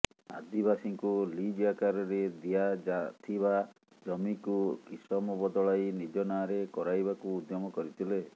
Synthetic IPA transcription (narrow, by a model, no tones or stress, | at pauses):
a̰d̪ibasiŋkulid͡ʒijakaɾɔɾed̪iad͡ʒat̪ʰiβa | d͡ʒɔmikukisɔmɔbɔd̪ɔɭajnid͡ʒɔnaːɾekɔɾajbakuːd̪ʱjɔmɔkɔɾit̪ʰile